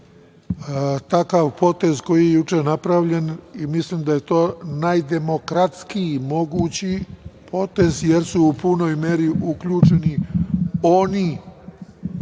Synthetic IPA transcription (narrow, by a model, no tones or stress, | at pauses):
t̪akaʋpo̞t̪e̞zko̞jijejut͡ʂenapɾaʋʎe̞nimislimd̪aje̞t̪o̞ːnajd̪e̞mo̞kɾat̪skimo̞ɡuːt͡ɕipʰo̞t̪e̞zjeɾsuupuno̞jmeɾiʔukʎuːt͡ʃe̞ni | oni